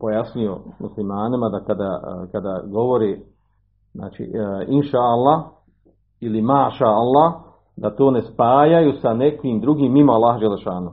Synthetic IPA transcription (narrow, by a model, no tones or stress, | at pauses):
pojasɲujomuslimaːnimad̪akad̪akad̪aɡo̞ʋoɾeː | zna̰ːt͡ʃḭinʃaːalˠːah | ilimaːʃaalˠːah | d̪at̪oːne̞spaːjajusane̞kʋiːmd̪ɾuɡiːmːimoalːaːhd͡ʒelːeʃaːnu